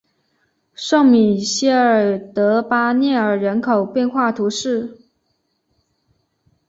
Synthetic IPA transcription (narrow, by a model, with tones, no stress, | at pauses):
ʂɤ˥˩ŋmi˨˩ɕjɛ˥ə˞˨˩t̪ɤ˧˥pa˥njɛ˥˩ə˞˨˩ɻə˧˥nkʰo˨˩ʊpjɛ˥˧nxwa˥˩t̪ʰu˧˥ʂɻ̩˥˩